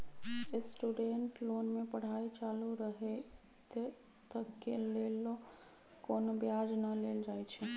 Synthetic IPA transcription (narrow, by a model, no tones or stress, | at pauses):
esʈuɖeɳʈlonmepəɽ̤ait͡ʃaluɾəɦe | t̪ə | t̪əkːelelo | konbjad͡ʒnəleld͡ʒajt͡ʃʰɛ